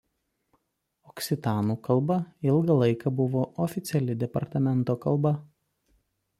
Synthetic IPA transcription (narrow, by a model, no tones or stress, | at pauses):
ɔksʲɪt̪ɑːnuːkɐlˠbɐɪlˠɡɐlˠɐɪkɐbʊʋoːʔɔfʲɪt̪sʲɛlʲɪd̪ʲɛpɐɾt̪ɐmʲɛnˑt̪oːkɐlˠˑbɐ